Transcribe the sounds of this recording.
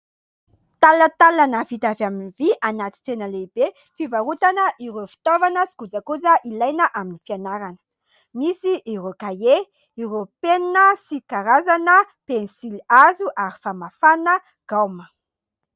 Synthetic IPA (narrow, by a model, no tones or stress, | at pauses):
t̪alət̪alanafit̪avaminviʔanat̪i̥t͡senəleib̥e | fivaɾut̪anəʔiɾofi̥t̪ovanəsi̥kud͡zakuzəʔilajnəʔaminifianaɾanə̥ | misiʔːɾokaje | iɾopeninəsikaɾazanə | pensilazuʔaɾi̥famafanə | ɡ̥awmə